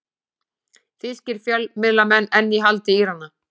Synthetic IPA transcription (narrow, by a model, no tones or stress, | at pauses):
θɪscɪɾ̥fjœlːmɪðlamɛnːɛnːiɦalt̪ɪiɾ̥anːa